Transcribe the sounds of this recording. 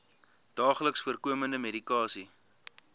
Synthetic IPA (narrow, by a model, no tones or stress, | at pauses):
d̥ɑːχləksfuərkuəməndəmedikɑːsi